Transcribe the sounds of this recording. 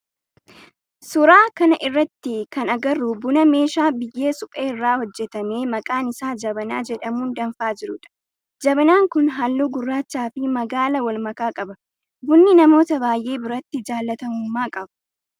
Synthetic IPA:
sʊɾaːkɐnɐʔɪrːɐt̪ːɪkɐnɐɡɐrːubʊnɐme̞ːʃaːbɪjːe̞ːsʊkʼeːɪrːaːhɔd͡ʒːɛt̪ɐme̞ːmɐkʼaːnɪsaːd͡ʒɐbɐnaːd͡ʒɛᶑɐmuːnd̪ɐnfaːd͡ʒɪɾʊᶑɐ̥ | d͡ʒɐbnaːŋkʊnɦalːuːɡʊrːaːt͡ʃːaːfɪmɐɡaːlɐwɐlmɐkaːkʼɐbɐ | bʊnːɪnɐmo̞ːt̪ɐbaːjʔe̞ːbɪɾɐt̪ːɪd͡ʒaːlːɐt̪ɐmuːmːaːkʼɐbɐ̥

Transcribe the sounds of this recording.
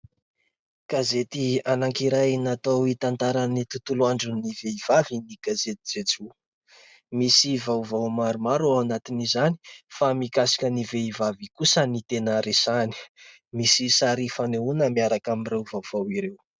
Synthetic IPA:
ɡ̥azet̪ianaŋkiɾajnat̪owit̪ant̪aɾanit̪ut̪uluaɳɖ͡ʐuniveiv̥aviniɡazet̪i̥d͡zet͡su | misivawvawmaɾumaɾuanat̪inizani̥famikasi̥kəniveivavikusənit̪enəɾesani̥ | misisaɾifaneunəmiaɾakamirewvawv̥awiɾew

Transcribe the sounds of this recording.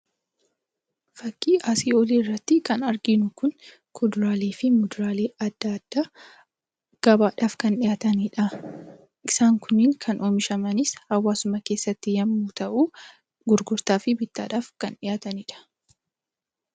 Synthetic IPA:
fɐkːiːʔaːsiːɔliːɪrːɐt̪ːɪkɐnɐɾɡɪnʊkʊn | kʰʊd̪ʊɾaːleːfɪmʊd̪ʊɾaːleːɐd̪̥ːɐd̪̥ːaː | ɡ̥ɐbaːᶑaːfkɐnᶑɪjaːt̪ɐniːᶑɐ | ʔɪsaːŋkʰʊnːɪŋkʰɐnʔoːmɪʃɐmɐnɪshɐwːaːsʊmɐke̞ːsːɐt̪ːɪjɐmːuːt̪ɐʔuː | ɡʊɾɡʊɾt̪aːfɪbɪt̪ːa̰ːᶑaːfkɐnᶑɪjaːt̪ɐniːᶑɐ̥

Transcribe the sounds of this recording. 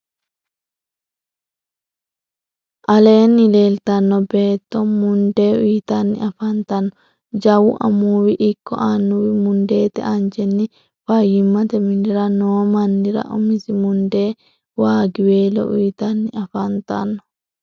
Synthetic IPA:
ʔɐleːnːɪleːlt̪ɐnːɔbeːt̪ːɔmʊnd̪eːʊjt̪ɐnːɪ̰ɐfɐnt̪ɐnːɔ | d͡ʒɐwʊʔɐ̰muːwɪʔɪkːɔ̰ʔanːuwɪmʊnd̪eːt̪ɛ̰ʔɐnd͡ʒɛnːɪ | fɐjːɪmːɐt̪ɛmɪndɪɾɐnoːmɐnːɪɾɐ̰ʔʊmɪsɪmʊnd̪eː | waːɡɪweːlɔ̰ʊjt̪ɐnːɪɐfɐnt̪ɐ̰nːɔ̥

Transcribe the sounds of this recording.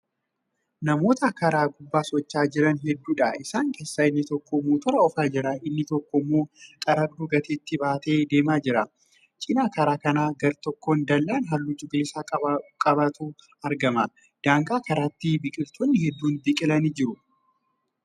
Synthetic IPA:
nɐmo̞ːt̪ɐkɐɾaːɡʊbːaːsɔt͡ʃːaːd͡ʒɪɾɐnɦɛd̪ːuːᶑɐɪsaːŋkeːsːaːɪnːɪt̪ɔkːɔmːuːt̪ɔɾɐɔfaːd͡ʒɪɾɐɪnːɪt̪ɔkːɔmːo̞ːkʼɐɾɐbd̪uɡɐt̪et̪ːɪbaːt̪e̞ːd̪e̞ːmaːd͡ʒɪɾɐ | t͡ʃʼɪnaːkɐɾaːkɐnaːɡɐɾt̪ɔkːond̪ɐlːaːnɦɐlːʊd͡ʒʊɡɪlɪsaːkʼɐkʼɐbat̪uː | ɐɾɡɐmɐ | d̪̥aːŋkʼaːkɐɾaːt̪ːɪbɪkʼɪɾt̪ʰoːnːɪhɛd̪ːuːnbɪkʼɪlɐniːd͡ʒɪɾʊ

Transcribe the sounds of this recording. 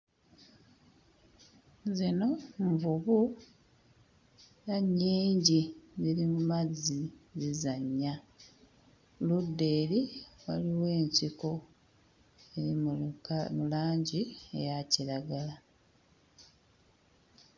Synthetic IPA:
zino̞ɱvuβu | naɲːiːɲɟiziɾimumazːizizaɲːa | ludːe̞ːɾiwaliwe̞ːɲsiko̞ | ei | mulaːɲɟiḛjaciɾaɡala

